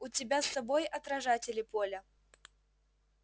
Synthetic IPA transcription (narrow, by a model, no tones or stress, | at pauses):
ʊtʲɪbʲasɐbojɐt̪ɾɐʐatʲɪlʲɪpolʲə